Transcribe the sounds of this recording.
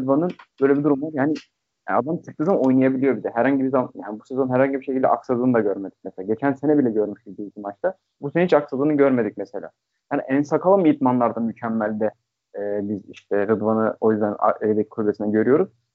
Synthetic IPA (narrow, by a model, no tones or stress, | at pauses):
ɯd̪vanɯnb̥øjlʲebid̪uɾumvaɾjaːnḭ | ad̪amt͡ʃ̪ʰɯk̚t̪ɯzamao̞jnˠajabilʲijoɾbizɛɦæɾhaɲɟibizaaja̰ːnibu̥sezo̞nɦæɾhaɲɟibiʃecʰilʲd̪ɛ̰ʔaksad̪ˠɯːnɯd̪aɟøɾme̞d̪ic̚mɛselʲaɟe̞t͡ʃʰænsenɛbilʲɛɟø̞ɾmyʃbizd̪iit̪imat͡ʃt̪ʰa | busenihit͡ʃaksalˠɯːnɯɟøɾme̞d̪ic̚mɛse̞lʲa̰ː | jaːniʔɛnsakʰalˠamijit̪manlˠaɾd̪amycʰɛmːælʲd̪ɛː | biziʃt̪ʰɛɾɯd̪vanɯo̞jyzd̪æn̰ejd̪ɛcʰi̥kʰulbesinɛɟø̞ɾyjo̞ɾuz̥